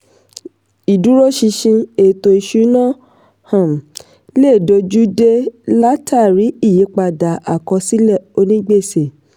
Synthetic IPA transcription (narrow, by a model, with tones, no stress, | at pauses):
i˨du˨˦ɾo˦ʃi˧ʃĩ˧e˨to˨i˨ʃu˧˦nã˦ | hã˨m˨ | le˦˨do˧d͡ʒu˦de˦la˦tʰa˦˨ɾi˨˦i˦˨ji˨˦k͡pa˧˨da˨a˨kɔ̃˧si˦lɛ˦˨o˧nĩ˦ɡ͡be˦˨se˨